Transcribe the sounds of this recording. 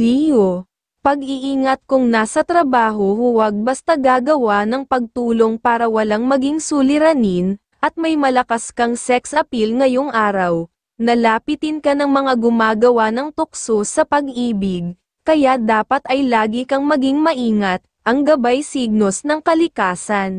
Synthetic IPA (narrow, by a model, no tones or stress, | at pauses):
lijo | pɐɡɪʔiːŋɐt̪̚kʊŋnaːsɐt̪ɾɐbaːɦo̞hʊwɐɡ̚bɐst̪ɐɡaːɡɐwanɐŋpɐɡ̚t̪uːlo̞ŋpaːɾɐwɐlaŋmɐɡiŋsulɪɾɐnin | ʔɐt̪̚mɐjmɐlɐkaskɐŋsɛksʔɐpilŋɐjo̞ŋʔaːɾɐw | nɐlaːpɪt̪ɪnkɐnɐŋmɐŋaɡʊmaːɡɐwanɐŋt̪ʊk̚sosɐpɐɡʔiːbɪɡ̚ | kɐjad̪aːpɐt̪ɐjlaːɡikɐŋmɐɡiŋmɐʔiːŋɐt̪̚ʔɐŋɡɐbajsiɡ̚no̞snɐŋkɐlɪkaːsɐn